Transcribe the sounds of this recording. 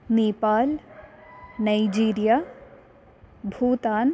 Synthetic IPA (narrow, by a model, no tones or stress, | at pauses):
neːpaːl | naid͡ʒiːɾijaː | bʱuːt̪aːn